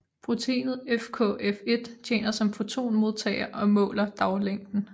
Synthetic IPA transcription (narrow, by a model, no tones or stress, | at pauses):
pʰʁot͡sʰḛːnð̩ˠefkʰɔ̰̽ːefe̝d̥t͡ɕʰjḛːnɐsɒ̽mfo̝t͡sʰo̝̰ːnmo̝ð̞ˠt͡sʰɛ̰ːɪɐʔɒ̽mɔ̰̽ːlɐd̥ɑ̈ʊleŋ̰d̥n̩